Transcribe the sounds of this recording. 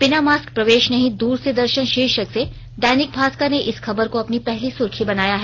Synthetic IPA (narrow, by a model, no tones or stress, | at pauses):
pɪnamaːsk̚pɾɐʋeːʃnɐɦĩd̪uːɾsed̪ɐɾʃənʃɪːʃəkse | ɖaːnɪk̚bʱaːskaneʔɪsxʰɐbəɾkoɐpnipɛɦlisʊɾkʰibɐnaːjaɦɛː